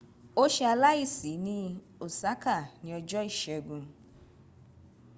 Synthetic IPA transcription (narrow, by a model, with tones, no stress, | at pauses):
o˦ʃɛ˧a˧la˦i˦˨si˨˦nĩ˦ | o˨sa˦ka˨nĩ˨ɔ˧d͡ʒɔ˦i˦˨ʃɛ˨ɡũ˧